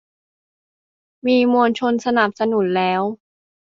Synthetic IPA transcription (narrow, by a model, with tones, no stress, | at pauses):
miː˧mu˧nt͡ɕʰo˧nsa˧na˨˩p̚sa˧nu˩˦nlɛː˦˥w